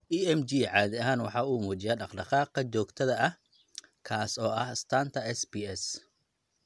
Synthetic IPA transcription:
ʔiːɛmd͡ʒiːʕɑːðɪɐɦaːnwɑħɑːuːmuːt͡ʃɪjaːɖɑqɖɑqɑːqɐt͡ʃɔːɡt̪ʰɐðɐʔɐh | kʰaːsɔːʔɐhst̪ʰaːnt̪ʰɐɛsbiɛs

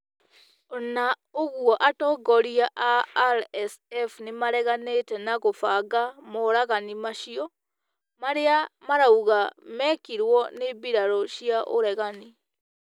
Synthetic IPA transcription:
ɔna | oɣwɔʔatɔɡɔɾiaʔaɾɛsɛfnemaɾɛɣanetɛnaɣofaɡamoɾaɣanimaʃiɔ | maɾeamaɾauɣamɛkiɾwɔnebiɾaɾɔʃiaʔo̰ɾɛɣani

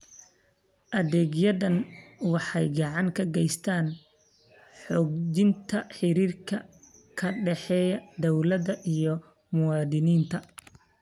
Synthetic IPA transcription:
ʔɐðɛːɡjɐðɐnwɑħɑjɡɑʕɑŋkʰɐɡɛjst̪ʰaːn | ħɔːɡd͡ʒɪnt̪ʰɐħɪɾiːrkʰɐ | kʰɐɖɛħɛːjɐd̪ɔwlɐðɐʔijɞ | mʊwɑːd̪ɪniːnt̪ʰɐ

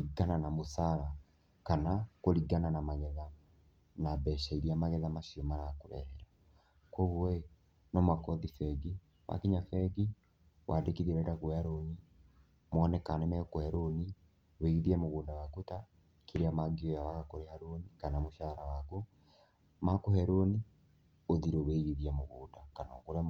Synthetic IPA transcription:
iɡananamoθaɾa | kanakoɾiɡananamaɣɛða | nabɛʃaiɾiamaɣɛðamaʃiɔmaɾakoɾɛ̰ɾɛɾa | kwɔɣwɔe | nɔmwakɔðifɛɡi | wa̰kiɲafɛɡi | wʔaːndekiðiɛɾɛdaɣwaɾoɲi | mwɔnɛkanɛmɛkohɛɾoni | weiɣiðiamoɣoːdawakota | kʰiɾeamaɡiɔjaβaɣakoɾehaɾonikanamoʃaɾawako | makohɛɾoni | oðiɾoβeiɣiðiamoɣoːndakanɔːkoɾa

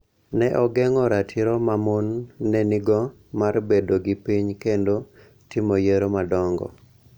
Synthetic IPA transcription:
nɛʔɔɡɛŋɔɾatʰɪɾomamonːɛnɪɡɔ | marbedoɡɪpiɲkendo | tɪmojeɾomadɔŋɡɔ̰

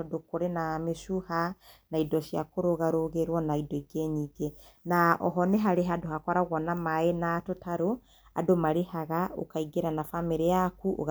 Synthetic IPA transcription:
ɔdokoɾenamesuhanaidɔʃja̰koɾoɣaɾoɣeɾwɔnaidɔiɡeɲiɡe | naɔ̰ɦɔneɦaɾeɦadohakɔɾaɣwɔnamaenatotaɾo | a̰domaɾehaɣao̰kaiɡeɾanafameɾejakuʔo̰ɣ

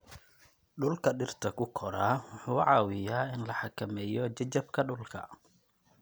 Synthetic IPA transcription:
ɗʊlkʰɐɖɪrt̪ʰɐkʰʊkʰɔɾaːwʊħuːʕɑːwɪjaːɪnlɐħɑkʰɐmɛːjɔt͡ʃɐt͡ʃɐbkʰɐɗʊlkʰɐ̰

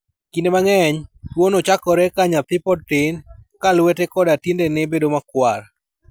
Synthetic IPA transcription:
kindemaŋɛɲtwonɔt͡ʃakɔɾɛkaɲap̪ɪpɔtɪnkalwetekɔdatindenɪbedomakwar

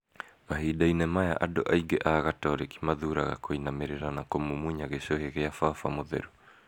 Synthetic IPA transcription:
maɦiːdainɛmaja̰ʔadoʔaiɡɛʔaːɣataɾeki̥maðuːɾaɣa̰koinameɾeɾanakomumuiɲaɣesoheɣeafafamoðɛ̰ɾu

